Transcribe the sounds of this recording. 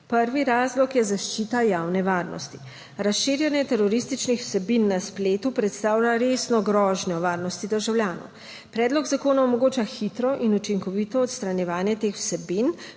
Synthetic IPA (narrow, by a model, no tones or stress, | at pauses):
pəɾʋiɾaːzlɔkjɛzaʃt͡ʃit̪ajaːwnɛʋaːɾnɔ̰st̪i̥ | ɾasʃiːɾjɛnjɛt̪ɛɾɔɾist̪it͡ʃnixw̥sɛbinːaspleːt̪upɾɛt̪st̪aːwlaɾesnɔɡɾɔːʒnɔʋaːɾnɔst̪id̪əɾʒawljaːnɔ̰w | pɾɛːd̪lɔɡzakoːnaɔmɔɡoːt͡ʃaxit̪ɾɔʔinut͡ʃiŋkɔʋit̪ɔːt̪st̪ɾanjɛʋaːnjɛt̪exw̥sɛbin